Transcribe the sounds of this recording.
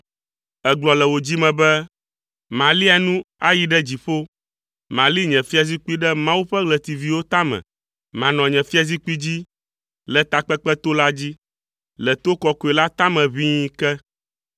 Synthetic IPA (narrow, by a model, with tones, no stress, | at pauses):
ɛ˦ɡ͡blɔ˨lɛ˨wo˨d͡ʑi˦mɛ̃˨bɛ˦ | mã˨li˦a˨nũ˦a˦ji˨ɖɛ˦d͡ʑi˨ɸo˦ | mã˨li˦ɲɛ̃˨fi˦a˨zi˦k͡pu˦i˦ɖɛ˦mã˦wu˦ɸɛ˦ɡlɛ˨t̪i˨vi˨wo˦t̪a˦mɛ̰̃˨ | mã˨nɔ̃˨ɲɛ̃˨fi˦a˨zi˦k͡pu˦i˦d͡ʑi˦ | lɛ˨t̪a˨k͡pɛ˦k͡pɛ˦t̪o˦la˦d͡ʑi˦ | lɛ˨t̪o˦kɔ˦ko˨ɛ˨la˦t̪a˦mɛ̃˨βĩ˦kɛ˦